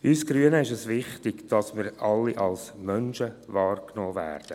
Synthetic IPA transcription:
yːsɡ̥ryənəɪʃɛsʋɪχtɪɡd̥ɑsmɪɾɑlːiʔɑlsmœnʃəvɑːrknɔːvæ̰ːrd̥ə

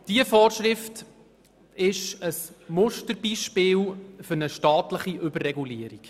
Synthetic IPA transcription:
d̥iəfɔːrʃɾɪft | ɪʃəsmʊʃtəɾbiʃpɪːlfɵɾnəʃtɑːtləχiʔɵbərːɛɡuliːəɾik

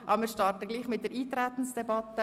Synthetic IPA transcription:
ʔɑ̰bəmɪːɾʃtɑːɾtəɡliːχmɪt̚d̥əɾiːtɾæt̪n̩sd̥ɛbɑt̪ːə

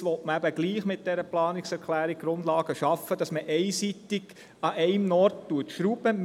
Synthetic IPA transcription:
ʋɔtməæbəɡliːχmɪt̚d̥ɛɾəplɑːnɪksɛɾkχlæːɾik̚ɡ̥ɾʊndlɑːɡ̥əʃɑfəd̥ɑsməʔɛɪsit̪ɪɡ | ɑʔɛɪmnɔɾttuətʃɾubəm

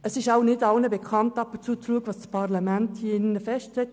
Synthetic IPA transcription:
əsɪʃaʊnɪtɑlnəbekʰɑntɑpʊnt͡suːət͡sluəɡəʋɑːspʰɑʁlɑmænthiɪnːəfɛsʃtɛt

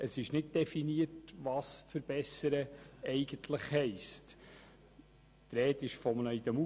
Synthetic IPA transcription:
əsɪʃnɪd̚d̥ɛfiniətʋɑsfəɾb̥ɛsəɾəɛɪɡ̥əntʰləχhɛɪst | t̪ɾeːtɪʃfɔmnəid̥̪ɛmu

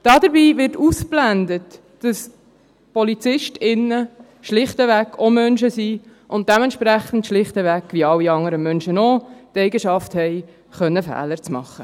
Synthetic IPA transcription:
d̥ɑːdəɾbiːʋɪrtusplændət | d̥ɑs | pɔlit͡sɪʃtɪnːə | ʃlɪχtəʋækːʰomœnʃəsiʔʊnt̚d̥ɛmɛntʃpɾæχn̩tʃlɪχtəʋækːʋiɑlːiɑŋəɾəmœnʃənɔtɛɪɡəʃɑfthɛɪ | χœnːəfæ̰ːləɾt͡smɑ̰χːə

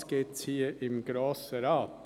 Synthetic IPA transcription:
sɡ̥eːt̪t͡sʰiːəʔɪmɡɾoːsəɾɑːp

